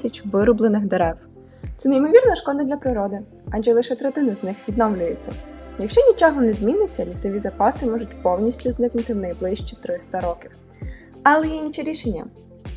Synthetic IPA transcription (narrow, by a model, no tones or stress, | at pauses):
ɐt͡ʃʲʋɪɾʊblˠenɪxd̪eɾɛw | t̪sɛnejmɔʋʲirnɐʃkɔd̪ɐd̪lʲɐpɾɪɾɔd̪ɪ | ɐʒɛlˠɪʃɛt̪ɾɛt̪ɪnɐznɪxʋʲid̪nɔwlʲʊjet͡sʲːɐ̰jɐkʃt͡ʃɔnʲit͡ʃɔɦɔnɛzʲmʲinɪt͡sʲːɐlʲisɔʋʲizɐpɑsɪmɔʒʊtʲpɔwnʲisʲtʲʊznɪknʊt̪ɪwnɐjblˠɪʃt͡ʃit̪ɾɪst̪ɐɾɔkʲiw | ɐlˠɛjɛint͡ʃiɾʲiʃenʲːɐ̰